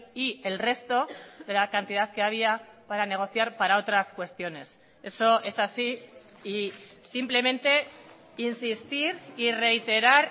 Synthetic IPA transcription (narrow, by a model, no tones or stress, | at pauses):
ie̞lre̞st̪o̞ðe̞lakant̪ið̞aðke̞aβ̞iapaɾane̞ɣ̞o̞θjaɾpaɾao̞t̪ɾaskwe̞st̪jo̞ne̞s | e̞so̞e̞sasiː | simple̞mẽ̞nt̪e̞ | insist̪iɾire̞it̪e̞ɾaɾ